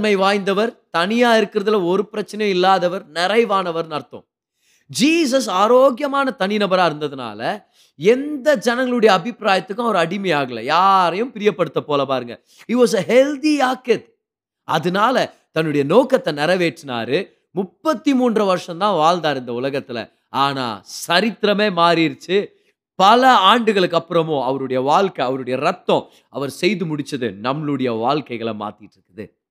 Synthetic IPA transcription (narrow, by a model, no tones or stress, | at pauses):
mɐɪʋaːjnd̪ɐʋɐɾt̪ɐnɪjaːɪɾɯkːɯɾɐðɪlɐɔɾɯpɪɾɐt͡ʃːɐnɐjʊ̃ɪlːaːðɐʋɐɾnɛɾɐɪʋaːnɐʋɐɾnɐɾt̪ːʊ̰̃ | d͡ʒiːs̬ɐs̬aːɾoːɡjɐmaːnɐt̪ɐnɪinɐbɐɾaːɪɾɯnd̪ɐðɯna̰ːlɐ | ɛnd̪ɐd͡ʒɐnɐŋɡɐɭɯɽɐjɐːbɪpːɾaːjɐt̪ːɯkːʊ̃ɔɾɯɐɽɪmɐjaːɣɐlːɐ̰jaːɾɐjʊ̃mpɪɾɪjɐpːɐɽɯt̪ːɐpoːlɐpaːɾɯŋɡɐ̰ | ɪʈʋɔːs̬ɐɦɛld̪iaːkɪʈ̚ | ɐðɯnaːlɐ | t̪ɐnːɯɽɐjɐnoːkɐt̪ːɐnɛɾɐʋeːʈːɯna̰ːɾɯ | mʊpːɐt̪ːimuːndrɐʋɐɾʂɐ̃nt̪ãːʋaːld̪aːɾɪnd̪ɐʊlɐɣɐt̪ːɪlɐ̰ | aːna̰ːsɐɾɪt̪ːɪɾɐmeːmaːɾɪɪɾɯt͡ʃːɯ | pɐlɐaːɳɖɯɣɐɭɯkːɐpːɯɾɐmʊ̃ɐʋɐɾɯɽɐjɐʋaːɭkɐɐʋɐɾɯɽɐjɐɾɐt̪ːɔ̃ | ɐʋɐɾsɛjðɯmʊɽɪt͡ʃːɐðɯnɐmɭɯɽɐjɐʋaːlkɐɪɣɐɭɐma̰ːt̪ɪʈːɾɯkːɯðɯ̰